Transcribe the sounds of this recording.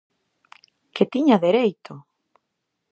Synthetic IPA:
ket̪iɲaðeɾejt̪o

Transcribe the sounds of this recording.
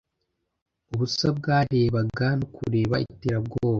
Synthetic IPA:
uβusab̚ɡaːɾe̞ːβaɡanokʰuɾe̞ːβaḭteːɾabɡoːβa

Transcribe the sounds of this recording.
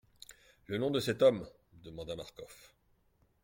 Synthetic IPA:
lənɔ̃d̪əsɛt̪ɔm | d̪əmɑ̃d̪ama̰ʁkɔf

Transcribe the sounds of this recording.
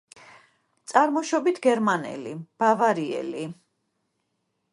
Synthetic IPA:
t̪sʼaɾmɔʃɔbit̪ʰɡɛɾmanɛ̰lib̥avaɾiɛ̰li

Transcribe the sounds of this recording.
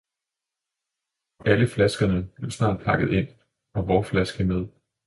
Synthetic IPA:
ʔæləflæsɡ̥ɐnəb̥le̝ʊsnɑ̰̈ːd̥̚pʰɑ̈ɡ̥əð̞̩ˠe̝n̰ | ɒ̽ʋɒːflæsɡ̥əmeð̞ˠ

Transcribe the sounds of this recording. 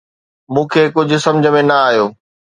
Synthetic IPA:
mũːkʰeːkʊd͡ʑʱʊ̆sɐ̃md͡ʑʱəmẽnɐaːɦjoː

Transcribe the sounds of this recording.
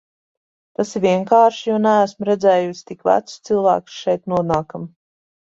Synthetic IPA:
t̪asivʲiɛŋkaːɾʃijuɔnææsmɾɛd̪zɛːjust̪ikvæ̰t̪sst̪sɨlˠvæ̰ːksʃɛjt̪nuɔnaːkam

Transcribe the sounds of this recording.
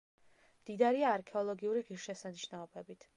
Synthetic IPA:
md̪̥id̪aɾiaːɾkʰɛɔlˠɔɡiuɾiʁiɾʃɛsaniʃnaɔbɛbit̪ʰ

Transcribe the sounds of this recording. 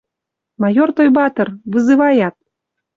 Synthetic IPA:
mɑjort̪ojbɑt̪ə̆rβɨzɨvɑjɑt̪̚

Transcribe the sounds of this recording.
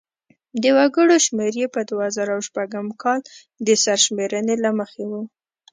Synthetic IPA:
d̪əwaɡəɽoʃmeɾjepəd̪woazɑɾawʃpaɡəmkɑl | d̪əsaɾʃmeɾənelaməxewu

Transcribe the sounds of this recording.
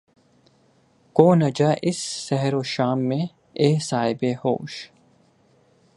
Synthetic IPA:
koːnɐd͡ʒaʔɪsːɛɦɾoːʃaːmːẽ | eːsaːɦɪbeho̰ːʃ

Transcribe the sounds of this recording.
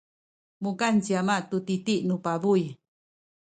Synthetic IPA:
mukant͡ʃiamaʔt̪ut̪it̪iʔnupaβuj

